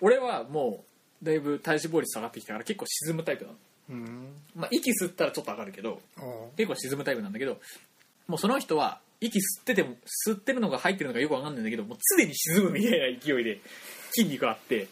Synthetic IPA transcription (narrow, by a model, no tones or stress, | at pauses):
o̞ɾe̞βamo̞ː | d̪aibɯ̟t̪aiɕibo̞ːɾʲit͡sɨ̥saɡat̪ːekʲi̥t̪akaɾake̞kːo̞ːɕizɨmɯ̟t̪aipɯ̟nã̰n | maʔikʲisɨt̪ːaɾat͡ɕo̞t̪ːoakaɾɯ̟ke̞d̪o̞̰ke̞kːoːɕizɨmɯt̪aipɯ̟nãnd̪aked̪o̞ | mo̞ːso̞noçi̥t̪o̞βa̰ | ikʲisɨ̥t̪ːe̞t̪e̞mosɨt̪ːe̞ɾɯ̟no̞ɡahait̪̬ːeɾ̟oɡajo̞kβakanːãnd̪ake̞d̪omoːt͡sɨd̪e̞ɲ̟iɕizɨmɯ̟mʲit̪ainaikʲijo̞id̪e̞kʲĩɲʲːikɯ̟at̪ːe̞